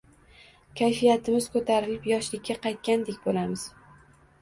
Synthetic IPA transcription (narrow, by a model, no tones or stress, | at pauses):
kʲʰajfijat̪ʰɪmɪz̥kʰɵt̪ʰaɾɪlɪpjɒʃlɪkʲʰːaqʰɑjt̪̚kʲand̪ekʲbolamɪz̥